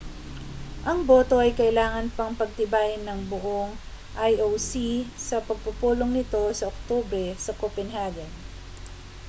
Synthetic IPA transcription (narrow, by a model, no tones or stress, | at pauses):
ʔɐŋbo̞ːt̪o̞ʔɐjkɐʔɪlaːŋɐnpɐŋpɐɡ̚t̪ɪbaːʔɪnːɐŋboʔo̞ŋ | ʔajowsisɐpɐɡ̚pʊpuːlo̞ŋnɪt̪o̞sɐʔok̚t̪obɾɛsɐkopɛnhaɡɐn